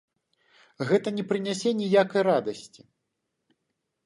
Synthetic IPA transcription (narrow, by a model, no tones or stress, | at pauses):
ɣɛt̪ɐnʲɛpɾɨnʲasʲɛnʲijakɐjɾad̪ɐsʲt͡sʲi̥